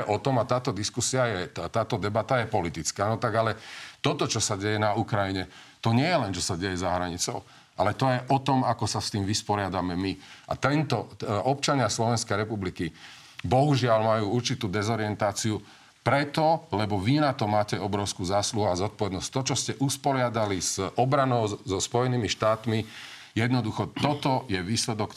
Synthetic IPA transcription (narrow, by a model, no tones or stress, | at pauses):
ɛʔɔt̪ɔmat̪aːt̪ɔd̪iskusiajɛt̪aːt̪ɔd̪ɛbat̪ajɛpɔlit̪it͡skaːnɔt̪aɡalɛt̪ɔt̪ɔt͡ʃɔsaɟɛjɛnaukɾajiɲɛt̪ɔɲɪɛjɛlɛnt͡ʃɔsaɟɛjɛzaɦɾaɲit͡sɔʊ | ʔalɛt̪ɔjɛʔɔt̪ɔmakɔsast̪iːmʋispɔɾɪad̪amɛmiʔa̰t̪ɛnt̪ɔɔp̚t͡ʃaɲɪaslɔʋɛnskɛjɾɛpubliki | bɔɦuʒɪalmajuːuɾt͡ʃit̪uːd̪ɛzɔɾɪɛnt̪aːt͡siu | pɾɛt̪ɔlɛbɔʋinat̪ɔmaːcɛɔbɾɔʊskuːzaːsluɦuazɔt̪̚pɔʋɛd̪nɔsct̪ɔt͡ʃɔscɛʔuspɔɾɪad̪alizʔɔbɾanɔʊzɔspɔjɛniːmiʃt̪aːt̪mi | jɛd̪nɔd̪uxɔt̪ɔt̪ɔjɛʋiːslɛd̪ɔk